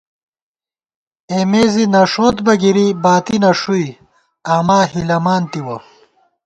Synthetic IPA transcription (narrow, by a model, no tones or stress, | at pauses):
eːmeːzinɐʂoːt̪bɐɡiɾibaːt̪inɐʂui | aːmaːɦilɐmaːnt̪iwɐ